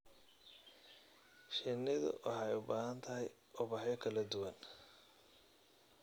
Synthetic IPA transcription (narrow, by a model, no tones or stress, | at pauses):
ʃɪnɪðʊ̰wʔɑ̰ħɑɛjʊbaːɦɐnt̪ʰɐɦɛj | ʔʊβɑħjɔkʰɐlɐd̪ʊwɐn